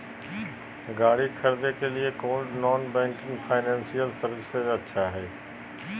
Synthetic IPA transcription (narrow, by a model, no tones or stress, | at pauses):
ɡaːɽikʰɐɾd̪ekeliekoːʈnɔːnbɛ̃ːŋkɪ̃ŋɡfʰaːɪnɛ̃ːnsijəlsɐɾʋɪsezɐtːʃʰaɦɛː